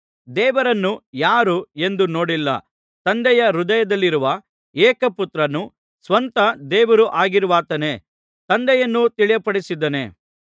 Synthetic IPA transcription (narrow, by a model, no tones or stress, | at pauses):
d̪ɛːʋɐɾɐnːujaːɾue̞nd̪uno̞ːɽilːɐ̰ | t̪ɐnd̪ɛjɐɾud̪ɐjɐd̪ɐlːiɾuʋɐ | ɛːkɐput̪ɾɐnu | sʋɐnt̪ɐd̪ɛːʋɐɾuʔaːɡiɾuʋaːt̪ɐne̞ | t̪ɐnd̪ɛjɐnːut̪iɭijɐpɐɽisid̪ːɐne̞̰ː